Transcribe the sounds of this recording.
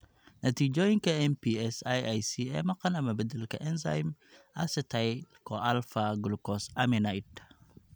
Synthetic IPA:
nɐt̪id͡ʒojnkɐenpiesajajsiḛmɐkɐnɐmɐbɨdəlkɐʔenza̰jm | asetʰajkoalfaɡulkosaminajd

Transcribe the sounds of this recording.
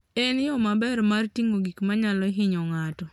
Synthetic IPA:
ɛnjɔmabɛɾmartiŋoɡikmaɲalɔɦɪɲɔŋatɔ

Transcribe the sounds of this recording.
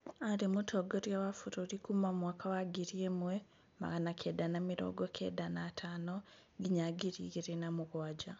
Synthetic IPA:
alimutʰoɡoɾjawafuɾoɾikumamwaːkʰawaɡiɾjemwe | ma̰ɣanakʰeːdanamiɾo̰ɡokʰḛdanatʰano | ɡiɲaɡiɾḭɣiɾinamuɣwaːɟa

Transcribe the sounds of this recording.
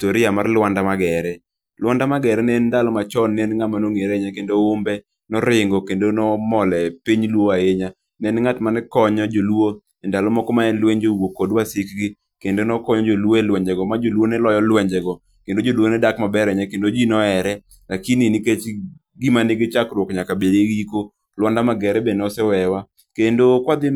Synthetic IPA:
toɾɪamarlwandamaɡɛɾɛ | lwandamaɡɛɾɛnɛndalɔmat͡ʃɔnːɛnŋatmanoŋeɾeɲakendoombɛ | nɔɾɪŋɡɔkendonɔmɔlɛpiɲlwoaeɲa | nɛnŋatmanɛkɔɲɔd͡ʒolwo | ɛndalɔmɔkɔmaɛnlweɲd͡ʒowokodwasɪkɡi | kendonɔkɔɲɔd͡ʒolwoɛlwɛɲd͡ʒɛɡɔmad͡ʒolwonɛlɔjɔlwɛɲd͡ʒɛɡɔ | kendod͡ʒolwonɛdakmabɛɾɛɲakendod͡ʒinɔɛɾɛ | lakininiket͡ʃ | ɡimanɪɡɪt͡ʃakɾwokɲakabedeɡiko | lwɔndamaɡɛɾɛbenɔsɛwɛwa | kendokwad̪ɪ

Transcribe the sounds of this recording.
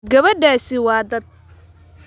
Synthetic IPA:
ɡɐβɐɖaːsɪwɑːd̪ɐd̪̚

